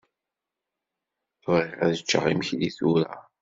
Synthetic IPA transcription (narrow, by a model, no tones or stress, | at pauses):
vʁiʁæðət͡ʃːə̰ʁimçliθuɾa̰